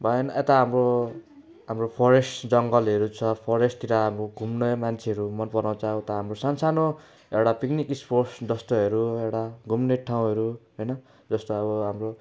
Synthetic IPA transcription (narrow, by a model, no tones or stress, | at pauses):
bʱʌjenet̪aɦamro | ɦamropʰʌɾesʈd͡zʌŋɡʌlɦʌɾut͡sʰʌpʰʌɾesʈt̪iɾaɦamroɡʱumnʌmant͡sʰeɦʌɾumʌnpʌrnʌt͡saɦõt̪ʌɦamrosansano | ewɽapiknikisporsd͡zʌst̪oɦʌɾuewɽaɡʱumneʈʰaw̃ɦʌɾuɦʌjnʌ | d͡zʌst̪oʌβʌɦamro